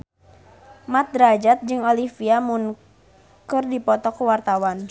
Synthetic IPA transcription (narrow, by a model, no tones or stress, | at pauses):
mat̪̚ɾad͡ʒat̪̚d͡ʒɨŋɔlifiamun | kɨrdipɔt̪ɔkuwart̪awan